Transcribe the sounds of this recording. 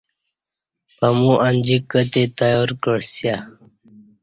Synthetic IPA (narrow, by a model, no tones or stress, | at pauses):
pəmũʔanʲd͡ʑikːət̪et̪ajoːɾkəɽsja